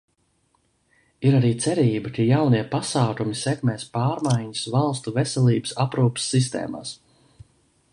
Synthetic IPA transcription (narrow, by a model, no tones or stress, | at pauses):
iɾaɾiːt̪sɛɾiːbɐkijawniɛpasaːkumisɛkmɛːspaːɾmajɲusvalˠst̪uvɛsɛlˠiːbə̥sapɾuːpsːis̬t̪ḛːma̰ːs